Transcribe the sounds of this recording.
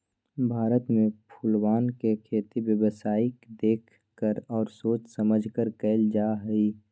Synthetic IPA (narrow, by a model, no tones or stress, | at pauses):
bʱaːɾət̪mẽpʰʊlwaːnkekʰeːt̪iwjəwəsaːikd̪eːkʰ | kəɾɔːɾsoːt͡ʃsəməd͡ʒʱkəɾkɛɪld͡ʒaːɦɛi